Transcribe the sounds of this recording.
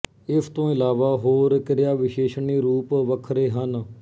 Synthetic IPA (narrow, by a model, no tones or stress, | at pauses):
ɪsʰt̪õːɪlaːʋaːɦoːɾkɪɾjaːʋɪʃeːʃɳiːɾuːpʋəkʰɾeːɦən